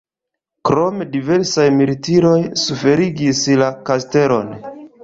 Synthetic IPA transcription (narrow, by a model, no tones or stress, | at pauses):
kɾo̞medive̞ɾsajmilitiɾo̞jsufe̞ɾiɡislakaste̞ɾo̞̰n